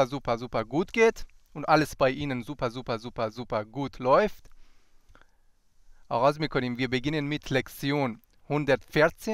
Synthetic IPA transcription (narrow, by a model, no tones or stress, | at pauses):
ɐzuːpɐzuːpɐɡuːtɡ̥eːt | ʔʊntʔaləsb̥aɪʔiːnənzuːpɐzuːpɐzuːpɐzuːpɐɡuːtʰlɔʏft | ʔaʁaʊsmɪkʰoniːmviːɐbəɡɪnənmɪtʰlɛkt͡sjoːn | hʊndɐtfɪɐt͡seː